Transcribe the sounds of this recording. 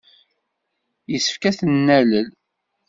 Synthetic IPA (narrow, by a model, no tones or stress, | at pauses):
jəsːə̥fkæθənːæləl